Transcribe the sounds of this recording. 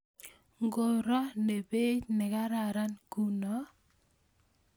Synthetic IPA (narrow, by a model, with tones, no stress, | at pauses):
ŋɡo˨ɾɔ˦ne˨be˦t͡ʃnɛ˨ka˦ɾa˨ɾa˦nku˦nɔ˨˦